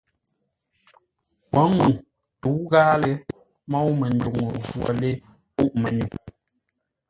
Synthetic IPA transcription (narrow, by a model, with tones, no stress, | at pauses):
wwɔ˨˦ŋu˨ | tu˨˦ɣaː˦lə˦ | mɔ˦wmə˨ndo˨ŋo˨zwɔ̰˨le˦ | u˦ʔmə˨ɲu˨